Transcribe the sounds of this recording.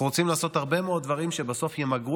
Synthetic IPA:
ʁot͡simlaːso̞t̪haʁbe̞meo̞d̪̚dvaʁimʃebaso̞fjemaɡu

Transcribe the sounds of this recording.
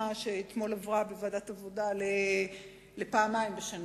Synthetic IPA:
aʃeːt̪mo̞lavʁabevadatavo̞dale | lepaːmajmbeʃan

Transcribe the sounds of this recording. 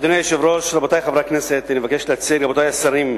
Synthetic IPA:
d̪onejʃevɾoʃɾabot̪ajχavɾakneset̪nevakeʃleat͡siɾabot̪ajasaɾim

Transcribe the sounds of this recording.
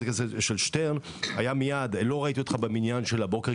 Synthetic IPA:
ekazeʃelʃteʁn | ajamijad̪lo̞ʁait̪iot̪χabeminjanʃe̞labo̞ke

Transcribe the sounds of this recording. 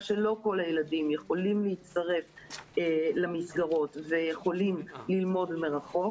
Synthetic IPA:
ʃelo̞ko̞lajeladimjeχo̞limleit͡st̪aʁe̞f | elamisɡaʁo̞t̪vejeχo̞limlilmo̞dmeʁaχo̞

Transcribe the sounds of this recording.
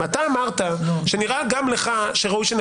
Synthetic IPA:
at̪aːmaʁt̪aʃeniʁaɡamleχaʃeʁaujʃen

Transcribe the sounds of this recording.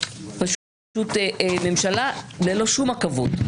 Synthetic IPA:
paʃ | ʃutmemʃalalelo̞ʃumakavo̰t

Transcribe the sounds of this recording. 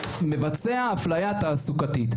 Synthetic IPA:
me̞vat͡seaːflajat̪aːsukat̪it̪

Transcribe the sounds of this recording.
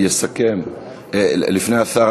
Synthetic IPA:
jesakem | elifneaθa

